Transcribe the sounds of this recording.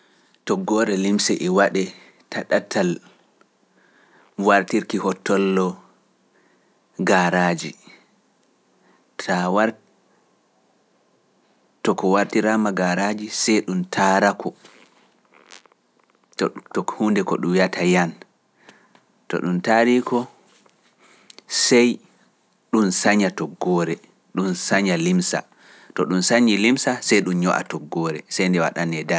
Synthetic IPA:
tɔɡɔɾɛlimsɛʔɛwaɗɛ | tʰaɗatʰal | waɾtiɾkihɔtːɔlːɔ | ɡaɾaːd͡ʒi | tʰawa | tɔkɔwaɾtiɾamaɡaɾad͡ʒisɛjɗumtʰaːɾakʰɔ | ttɔkhuːndɛkɔ̰ɗumjatʰajan | tɔ̰ɗuntaɾikʰɔ | sɛj | ɗunsaɲatɔɡːɔɾɛ | ɗunsaɲalimsa̰ | tɔɗunsaɲilimsasɛjɗumɲɔ̰ʔa̰tɔɡːɔɾɛ̰sɛjndɛwa̰ɗanɛda

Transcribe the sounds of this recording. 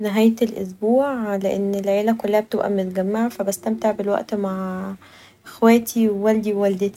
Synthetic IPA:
neɦæːjt̪elʔo̰sbuːʕleʔenːelʕeːlækolːæhæb̚et̪ebʔæ̰mot̪æɡæmːaʕfæbæst̪æmt̪aʕbelwæ̰ʔt̪maʕ | ʔexwæːt̪ʰiwwæld̪iwwæld̪et̪i̥

